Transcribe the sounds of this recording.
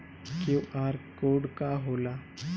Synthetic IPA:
kuaɾkoɽkaɦola

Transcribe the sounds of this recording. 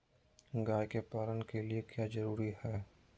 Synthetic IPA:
ɡaːjkepaːlənkeliekjaːd͡ʒɐɾuːɾihɛː

